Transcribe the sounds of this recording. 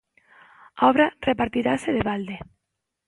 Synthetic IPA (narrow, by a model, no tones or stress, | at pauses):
ɔβɾarepaɾt̪iɾaseðeβald̪e